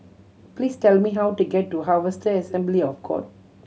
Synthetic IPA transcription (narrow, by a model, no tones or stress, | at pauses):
pliːstɛlmiɦawtuɡɛtːuɦavəstəɛsɛ̃mbliɔfkʰɔ̰t̚